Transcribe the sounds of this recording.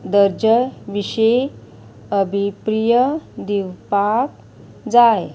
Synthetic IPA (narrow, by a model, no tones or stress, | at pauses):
d̪əɾd͡ʑəʋiɕe | əbʱipɾijəd̪iwpak̚ | d͡zaj